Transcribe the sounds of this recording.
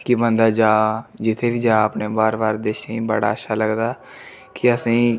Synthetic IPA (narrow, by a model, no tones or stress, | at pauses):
kibənd̪aːd͡ʒaːd͡ʒɪt̪ʰeːʋiːd͡ʒaːəpneːbaːɾbaːɾd̪eːʃẽːbəɽa̰ːəʃʰaːləɡd̪aː | kɪəsĩː